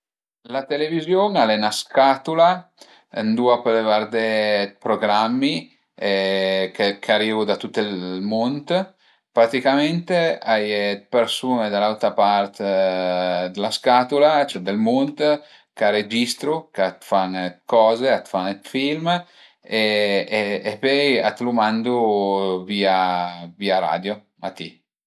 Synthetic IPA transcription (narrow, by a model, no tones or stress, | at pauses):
lat̪elevizjoŋalɛnaskat̪ula | nd̪uapelevaɾd̪epɾoɡɾamːi | kekʰaɾivud̪at̪ut̪ːelmont̪ | pɾat̪ikament̪eajt̪peɾsuːned̪alalt̪ɾapart̪ | d̪elaskat̪ulat͡ʃɛd̪elmont̪ | kaɾed͡ʒist̪ɾukat̪fankɔːzeat̪fant̪film | eeːpɔja̰t̪lumand̪uviːaviːaɾa̰ːd̪jo | mʔat̪ːḭ